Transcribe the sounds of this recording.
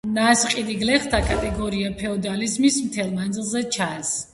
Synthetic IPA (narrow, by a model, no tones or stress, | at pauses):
nasqʼid̪iɡlɛχt̪ʰakʼat̪ʼɛɡɔɾiapʰɛɔd̪alizmismt̪ʰɛlˠmand̪zilˠzɛt͡ʃʰas